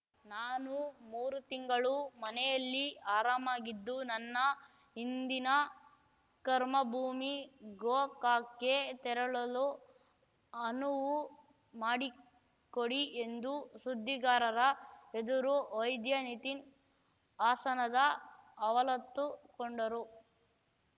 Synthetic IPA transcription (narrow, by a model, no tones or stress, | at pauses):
naːnumuːɾut̪iŋɡɐɭumɐnɛjɐlːiaːɾaːmaːɡid̪ːunɐnːɐ | ɦind̪inɐ | kɐɾmɐbʱuːmiɡoːkaːkːet̪ɛɾɐɭɐlu | ɐnuʋu | maːɽi | koɽiʔe̞nd̪usud̪ʱːiɡaːɾɐɾɐed̪uɾuʋɐjd̪jɐnit̪in | aːsɐnɐd̪ɐːʋɐlɐt̪ːukoɳɖɐɾu